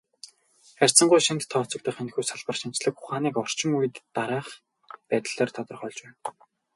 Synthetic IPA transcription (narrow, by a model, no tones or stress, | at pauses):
χær̥ʲt͡sə̆ɴɢʊjʃint̪ʰːɔːt͡sɞ̆k̚t̪ʰə̆χen̆xuːjsaɮpə̆rʃimt͡ɕɮə̆kχʊχaːniːkɔr̥t͡ɕɪ̆ŋujɘ̆t̪ːaɾaæːχ | pæːt̪̆ɮ̥eːrt̪ʰɔt̪ɞ̆rχɔɮʲt͡ɕpæːn